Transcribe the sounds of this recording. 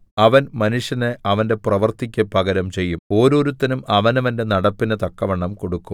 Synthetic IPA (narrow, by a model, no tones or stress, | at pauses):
ɐʋɐnmɐnuʂjɐneʔɐʋɐnde̞prɐʋɐrt̪ikʲːɐpɐɡɐɾɐmt͡ɕe̞jːumo̞ːɾo̞ːɾut̪ːɐnumɐʋɐnɐʋɐnde̞nɐɽɐpːinɨt̪ɐkːɐʋeɳːɐmko̞ɽukːum